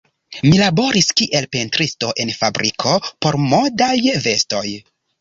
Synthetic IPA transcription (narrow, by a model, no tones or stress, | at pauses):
milabo̞ɾiskiʔe̞lpentɾisto̞ʔe̞nfabɾikʰo̞po̞ɾmo̞dajve̞sto̞j